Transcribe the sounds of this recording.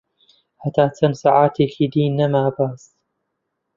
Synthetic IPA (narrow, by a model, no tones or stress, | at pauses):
ħat̪aːt͡sansaʕaːt̪ikid̪iːnːamaːbaːs